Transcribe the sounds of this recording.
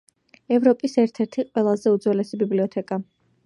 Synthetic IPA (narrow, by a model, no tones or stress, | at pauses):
ɛvɾɔpʼisɛɾt̪ʰɛɾt̪ʰiqʼwɛlˠazɛud̪zwɛlɛsibibliɔt̪ʰɛkʼa